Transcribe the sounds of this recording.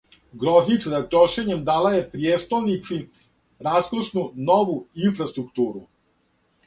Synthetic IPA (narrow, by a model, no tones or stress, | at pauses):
ɡɾoznit̪sazat̪ɾoʃe̞ɲemd̪aːlajepɾieːst̪olnit̪si | ɾaskoʃnunoʋuinfɾast̪ɾukt̪uːɾu